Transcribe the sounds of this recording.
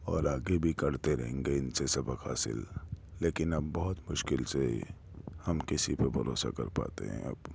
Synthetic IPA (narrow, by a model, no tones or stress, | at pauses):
ɔːɾaːɡebʱikɐɽt̪eɾɐ̰ɦẽːŋɡeɪnsesɐbəkɦa̰ːsɪ̰lːeːkɪnɐbːɔɦʊt̪mʊʃkɪlse | hɐmkɪsipɐbʱɐɾo̰ːsa̰kɐ̰ɾpa̰ːt̪ḛɦɛ̰̃ɐ̰b